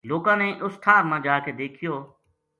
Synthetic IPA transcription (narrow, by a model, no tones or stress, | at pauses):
loːkãːneːʔʊst̪ʰaːɾmãːd͡ʒaːked̪eːkʰɪjoː